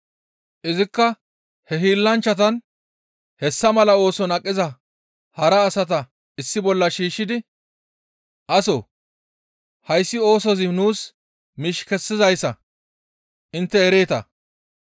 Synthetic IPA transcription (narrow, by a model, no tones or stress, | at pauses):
ʔɪzɪkːɐ | hɛɦiːlːɐnt͡ʃːɐt̪̬ɐn | hɛsːɐmɐlɐo̞ːsɔnɐkʼːɪzɐ | hɐɾɐːsɐt̪ɐ | ɪsːɪbɔlːɐʃiːʃːɪd̪ɪ | ʔɐsɔ | hɐjsːɪo̞ːsɔzɪnuːs | mɪʃkɛsːɪzɐjsːɐ̰ | ʔɪnt̪ːɛɛɾeːt̪ɐ̰